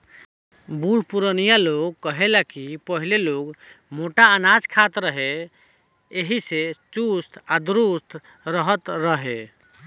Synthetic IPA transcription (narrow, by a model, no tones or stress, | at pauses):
buɽ̤puɾənijaloɡ̚kːəɦelakipəɦileloɡmoʈaənad͡ʒkʰat̪ɾəɦe | eɦiset͡ʃust̪ad̪ɾust̪ | ɾəɦət̪ɾəɦe